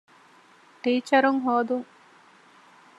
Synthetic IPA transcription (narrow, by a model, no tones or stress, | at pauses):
ʈiːt͡ʃɐɾuŋɦoːd̪uŋ